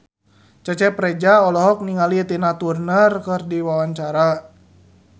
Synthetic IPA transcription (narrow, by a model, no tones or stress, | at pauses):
t͡ʃət͡ʃɛpɾɛd͡ʒaɔlɔɦɔk̚niŋalit̪inat̪urnərkərdiwawaɲt͡ʃaɾa